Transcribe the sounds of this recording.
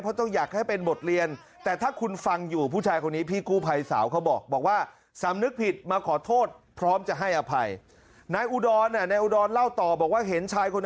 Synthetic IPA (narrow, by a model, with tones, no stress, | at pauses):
pʰɔ˦˥t̪ɔ˥˩ŋjaː˨˩k̪̚a˥˩jpe˧nbo˨˩t̪̚ɾi˧ən | t̪ɛː˨˩t̪ʰaː˥˩kʰu˧nfa˧ŋjuː˨˩pʰuː˥˩t͡ɕʰaː˧jkʰo˧nːiː˦˥pʰiː˧˩kuː˥˩pʰa˧jsa̰ː˩˦wkʰa˦˥wbɔː˨˩k̚bɔː˨˩k̚waː˥˩ | sa˩˦mnɯ˦˥k̚pʰi˨˩t̪̚maː˧kʰɔː˩˦t̪ʰoː˥˩t̪̚pʰɾɔː˦˥mt͡ɕa˨˩ɦa˥˩jʔa˧pʰa˧j | naː˧jʔuː˧dɔː˧nːa˧˩naː˧jʔuː˧dɔː˧nla˥˩wt̪ɔː˨˩bɔː˨˩k̚waː˥˩ɦe˩˦nt͡ɕʰaː˧jkʰo˧n